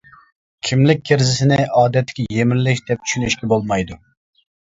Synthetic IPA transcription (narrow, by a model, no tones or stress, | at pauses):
kʲʰimlɪk̚ʲːʰeɾzɪsɪnɪʔɑːd̪ɛt̪ʰːɪ̥kʲʰɛjemɪnlɪʃd̪̥ɛp̚t͡ʃʰy̥ʃynyʃkʲɛbolˠmɑjd̪u